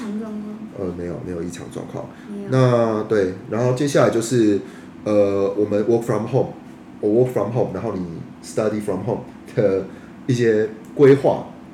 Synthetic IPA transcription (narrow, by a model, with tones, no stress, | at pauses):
ʔə˨me˧˦ɪjo˨˩mḛ˧˥jo˨˩i˥˩ʈ͡ʂʰɑ̰˨˦ŋt͡swɑ̰˥˧ŋkʰwɑ̰˥˩ŋ | na˥˨t̪we˥˨˩ɪna˧˦nxo˥ʊt͡ɕjɛ˥ɕ̬ja˥˨la˨ɪt͡ɕjo˥˧ʊʂɻ̩˥˩ | ə˨wɔ˨˩mə˦nwʔɔ˥k̚fɹɔ˧˩mxo˥˨m | ə˨˩wɔ˥kfɹɔ˨mɦo˥˨ʊmna˧˦nxo˥˩ʊni˨˩ | sɨ̥t̪ɐ˥˧d̪i˨˩fɹɔ˨mɦo˥˨ʊ̃m | d̪̥ə˨ | i˥˩ɕjɛ˦˥ | kwe˥˦ɪxwa̰˥˨